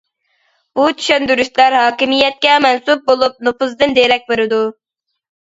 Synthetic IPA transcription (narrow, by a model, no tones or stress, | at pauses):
b̥ut͡ʃʰy̥ʃønd̪yɾyʃlæɾɦɑːkʲimijɛt̪̚kʲɛmɛnsup̚bolˠup̚nopuzd̪ɨnd̪eɾɛk̚ʲbeɾɪd̪u